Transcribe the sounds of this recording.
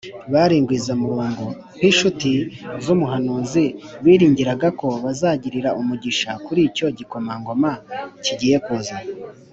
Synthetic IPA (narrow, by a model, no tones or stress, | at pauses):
βaɾiːŋɡwiːzamuɾuːŋɡu | hiʃutizumuɦanuːziwiːɾiːɲɟiɾaɡako̞βazaːɟiɾiɾaʔumuɟiʃakuɾiːco̞ɟiko̞maŋɡo̞maciɟije̞kuːza